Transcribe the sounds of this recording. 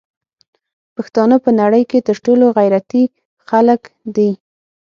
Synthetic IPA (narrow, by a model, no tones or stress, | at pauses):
paxt̪ɑnəpənaɽəjket̪əɾʈoloɣajɾat̪i | xaləkd̪i